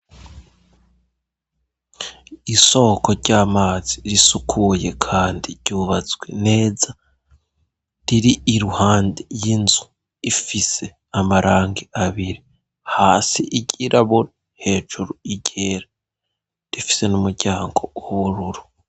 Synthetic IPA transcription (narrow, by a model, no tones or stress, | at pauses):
iso̞ːko̞ɾɟaːmaːz̥iɾisukʰuje̞kʰaːndiɾɟ̥uːβazɡwe̞ne̞ːza | ɾiɾiʔːɾuhaːndijinzu̥ | ifise̞ | amaɾʔaːŋɡiaβiɾi | haːsiʔiɟiɾʔaβuna | he̞ːʒuɾuiɟe̞ːɾa | ɾifi̥se̞numuɾɟaːŋɡo̞ɾuɾu